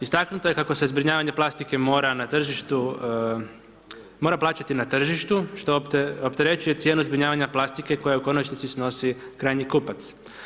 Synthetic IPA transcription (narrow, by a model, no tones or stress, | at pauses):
ist̪aknut̪oje̞kako̞sezbɾiɲaːʋaɲe̞plˠast̪ike̞mo̞ːɾanat̪r̩ʒiʃt̪u | mo̞ːɾaplˠaːt͡ɕat̪inat̪r̩ʒiʃt̪uʃt̪oopt̪e̞ɾe̞t͡ʃuje̞t̪sje̞ːnuzbɾiɲaːʋaɲaplˠast̪ike̞ko̞jauko̞not͡ʃnisisno̞sikɾaːjɲikupat̪s